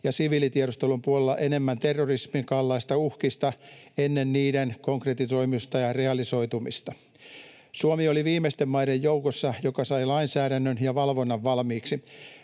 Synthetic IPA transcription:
jɑsiʋiːlit̪ieɾost̪elumpuolelːɑ̰ʔe̞ne̞mːænt̪erːorismiŋkɑlːɑist̪ɑuhkist̪ɑenːenniːdenko̞ŋkret̪iso̞imust̪ɑjɑreɑliso̞it̪umḭst̪ɑ | suomioliʋiːmest̪emmɑidejjoukosːɑjokɑsɑilɑinsæːɾænːønjɑʋɑlʋonːɑʋːɑlmiːksi

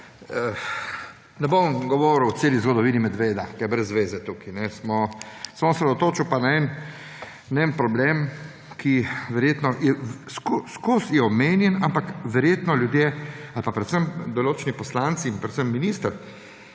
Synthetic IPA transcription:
ə | nɛbomɡɔʋoɾuwt̪seːlizɡɔd̪ɔʋiːnimɛd̪ʋeːd̪akɛjɛbɾɛzːʋeːzɛt̪uːkinɛsmɔsmɔɔsɾɛd̪ot̪oːt͡ʃuwpanaɛn | naɛnpɾɔblem | kiʋɛɾjeːt̪nɔjɛskuskusjɛɔmeːnjɛnampakʋɛɾjeːt̪nɔljud̪jealpapɾɛt̪səmd̪ɔloːt͡ʃɛnipɔslant̪siːnpɾɛt̪səmːinist̪əɾ

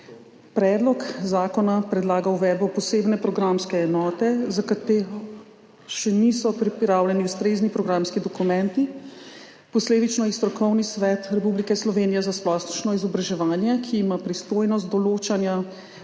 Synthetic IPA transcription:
pɾɛːd̪lɔkzaːkɔnapɾɛd̪laːɡawʋɛːd̪bɔpɔseːbnɛpɾɔɡɾamskɛːnɔːt̪ɛzakat̪eːɾɔ | ʃɛnisɔpɾipɾaːwlʲjɛniust̪ɾeːznipɾɔɡɾamskid̪ɔkumɛ̃nt̪i | pɔsleːd̪it͡ʃnɔist̪ɾɔkɔwnisʋɛːt̪ɾɛpublikɛslɔʋenijɛzasplɔːst̪t͡ʃnɔizɔbɾaʒɛʋaːnjɛkʰiːmapɾist̪oːjnɔst̪d̪ɔloːt͡ʃanja

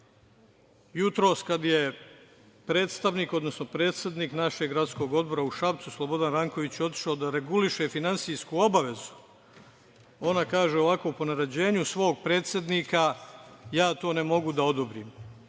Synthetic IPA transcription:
jut̪ɾo̞ːskad̪je | pɾe̞ːt̪st̪aʋniːko̞d̪no̞sno̞pɾe̞ːt̪sje̞d̪niːknaʃe̞ɡɾat̪sko̞ɡo̞d̪bo̞ɾauʃapt̪suslˠobo̞d̪anɾaŋko̞ʋit͡ɕjo̞t̪i̥ʃaod̪aɾeɡuliʃefinansijskuo̞baʋe̞zu̥ | o̞nakaːʒeo̞ʋako̞ːpo̞naɾad͡ʑe̞ːɲusʋo̞ːɡ̚pɾe̞ːt̪sjed̪niːkajaːt̪o̞ːne̞mo̞ɡud̪ao̞d̪obɾiːm

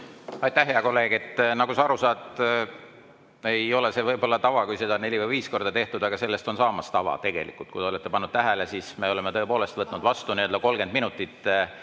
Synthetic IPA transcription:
ɑjt̪æhɦeɑko̞lːe̞ːɡ̥et̪ˑːnɑɡ̥usɑɑɾusɑːt̪ˑ | e̞jo̞le̞se̞vɤjbo̞lːɑt̪ɑvɑkujsed̪ɑne̞lʲivɤjviːsko̞rd̪̥ɑt̪e̞ht̪ud̪̥ɑɡ̥ɑse̞lːe̞st̪o̞nsɑːmɑst̪ɑvɑ̰t̪e̞ɡ̥e̞̰lḭkːˑult̪kujd̪eolet̪ːˑe̞pɑnːud̪̥t̪æɦælesisme̞o̞le̞met̪ɤepo̞ːle̞st̪vɤt̪ːˑnud̪̥vɑst̪uniø̞ld̪ɑko̞lɡe̞nd̪̚minut̪ːˑit̪ː

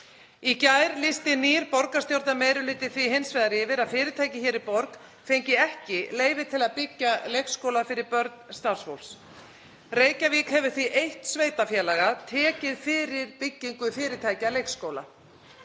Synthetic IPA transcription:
icaːjɾlɪst̪ɪniːɾpɔɾkast̪jowɾt̪amejɾʏlɪːt̪ɪθviɦensvɛːðaɾɪːvɪɾaðfɪːɾɪɾt̪ʰaːjcɪçɛːɾɪpɔɾk | fejɲcɪɛhcɪleːjvɪt̪ʰɪlaðpɪcːalejkskowlafɪɾɪɾpœɾt̪nst̪aɾ̥svowls | reːjcaviːkhɛvʏ̥ɾ̥θviʔejht̪sveːjt̪afjɛːlɛɣat̪ʰɛːcɪðfɪːɾɪɾ̥pɪcːiŋkʏfɪːɾɪt̪ʰaːjcalejkskowla̰

